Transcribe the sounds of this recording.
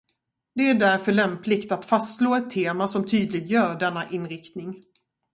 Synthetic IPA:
d̪ɛæɖæɾfœɭɛmplɪɡt̪at̪fast̪sloːɛt̪ʰːeːmasɔmt̪ʰyːd̪lɪɡ̪jœːɾɖɛnːaʔɪnːɾɪkt̪nɪŋ

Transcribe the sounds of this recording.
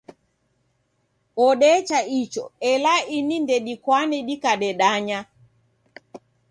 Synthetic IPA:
ɔɗɛt͡ʃait͡ʃɔɛlainindɛɗikwanɛɗikaɗɛɗaɲa

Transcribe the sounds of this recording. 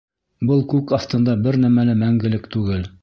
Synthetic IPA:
bɤlˠkʉkɑft̪ɤ̆nd̪ɑbɘɾnæmælɘmæŋɡɘ̆lɘkt̪ʉɡɘl

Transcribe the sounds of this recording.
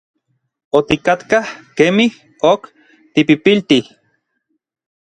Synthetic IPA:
ot̪ikat̪kahkemih | ok | t̪ipipilt̪ih

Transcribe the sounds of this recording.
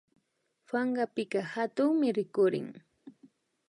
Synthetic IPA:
faɴɢɑpɪkɑhat̪ʊŋmɪɾɪkʊɾɪ̰ŋ

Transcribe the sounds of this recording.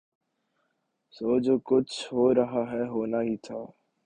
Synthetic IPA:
soːd͡ʒkʊt͡ʃʰɦoːɾɐɦaɦɛɦoːnaɦit̪ʰaː

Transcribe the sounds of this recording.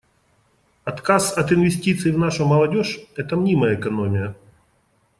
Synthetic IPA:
ɐt̪kasɐt̪ɨnvʲɪsʲtʲit̪sɨɪvnaʂʊmɐlˠɐdʲoʂɛt̪ɐmnʲiməjəːkɐnomʲɪjə

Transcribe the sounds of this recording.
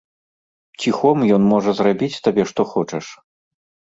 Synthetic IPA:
t͡sʲixɔmjɔnmɔʐɐzrabʲit͡sʲt̪abʲɛʂt̪ɔxɔt͡ʂɛʂ

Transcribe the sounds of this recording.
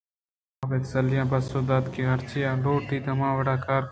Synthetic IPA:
aːʋeːt̪səljãːbəsoːd̪aːd̪keːɦəɾt͡ʃijãːloːʈiːd̪əmãːʋəɽaːkaːɾ

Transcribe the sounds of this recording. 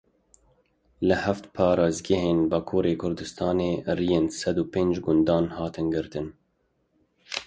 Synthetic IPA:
lɨhæft̪pʰɑːɾɑːzɡɛɦeːnbɑːkʰuːɾeːkʰʊɾd̪ɨst̪ʰɑːneːrijeːnsɛd̪uːpeːnd͡ʒɡʊnd̪ɑːnhɑːt̪ɨnɡɨɾt̪ɨn

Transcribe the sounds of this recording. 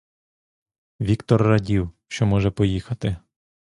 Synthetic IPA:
ʋʲikt̪ɔrːɐdʲiwʃt͡ʃɔmɔʒɛpɔjixɐt̪ɪ

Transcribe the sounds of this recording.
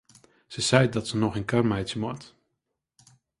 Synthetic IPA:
səzɛjdɑtsənɔχənkɑɹmɛjtsəmɔɹt

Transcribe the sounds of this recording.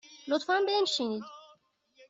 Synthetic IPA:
lot̪fænmbenʃinid̪

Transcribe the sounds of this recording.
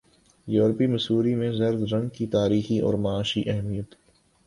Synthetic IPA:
juːɾpimɐsuːɾimẽzɐɾd̪ɾɐ̃ŋɡkit̪aːɾiːxiʔɔ̰ːɾmaaːʃiʔɛɦmijət̪

